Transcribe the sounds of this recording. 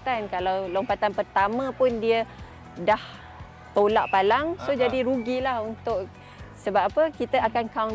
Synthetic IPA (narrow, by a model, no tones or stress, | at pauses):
t̪ankalawlompat̪anpərt̪amə̃pʊndiə | dah | t̪olaʔpalaŋsod͡ʒadiɾuɡilahunt̪ʊʔ | səbapapəkit̪əakankaw